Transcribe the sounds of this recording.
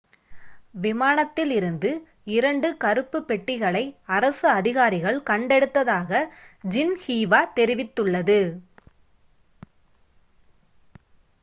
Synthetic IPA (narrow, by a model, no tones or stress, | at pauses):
ʋɪmaːnɐt̪ːɪlɪɾɯnd̪ɯ | ɪɾɐɳɖɯkɐɾɯpːɯpːɛʈːɪɣɐɭɐɪɐɾɐsɯɐðɪɣaːɾɪɣɐɭkɐɳɖɛɽɯt̪ːɐðaːɣɐd͡ʒɪnhiːʋaːt̪ɛɾɪʋɪt̪ːɯɭːɐðɯ